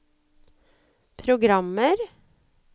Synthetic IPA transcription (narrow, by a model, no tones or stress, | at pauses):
pʰɾʊɡɾɑməɾ